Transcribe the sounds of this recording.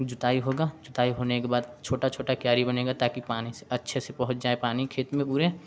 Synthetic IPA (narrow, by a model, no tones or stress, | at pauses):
d͡ʒʊt̪aːiɦoːɡad͡ʒʊt̪aːiɦoːnekebaːd̪t͡ʃʰoːʈat͡ʃʰoːʈakjaːɾibəneːɡat̪aːkipaːniseɐtːʃʰesepɐɦʊt̪̚d͡ʒaːepaːnikʰeːt̪mẽpuːɾe